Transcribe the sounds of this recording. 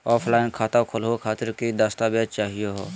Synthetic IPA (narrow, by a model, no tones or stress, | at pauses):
ɔːpʰlaːɪnkʰaːt̪akʰʊlɦokʰaːt̪ɪɾkid̪əst̪abeːd͡ʒt͡ʃaːɦijoɦo̰ː